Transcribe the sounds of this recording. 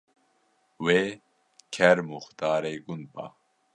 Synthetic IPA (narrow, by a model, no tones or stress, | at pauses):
we | kʰeɾmuxt̪aːɾejɡunpa̰